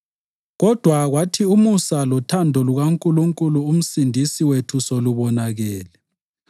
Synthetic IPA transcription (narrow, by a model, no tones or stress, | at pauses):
ɣɔd̥ʱwaɣwatʰiumusalɔtʰandʱɔluɣaŋkʼuluŋkʼuluːm̩sindʱisiwetʰusoluβɔnaɣɛːlɛ